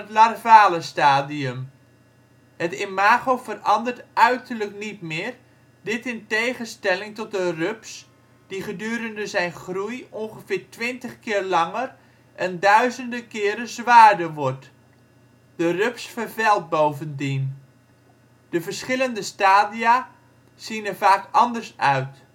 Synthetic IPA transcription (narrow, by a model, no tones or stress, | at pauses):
ətlarvaːləstaːdiəm | hətɪmaːɣovərɑndərtœɥtərləknitmɪːr | dɪtɪntejχəstɛlɪŋtɔt̚dərøps | d̥iχədyːɾəndəzɛjnχrujonχəfɪːɹtʋɪntəχkɪːrlɑŋər | ʔɛndœɥzəndəkɪːɾəzʋaːrdəʋɔɹt | d̥ərøpsfərvɛlˠt̚bowvəndin | d̥əvərsχɪləndəstaːdia | sinəvaːkɑndəɹsœɥt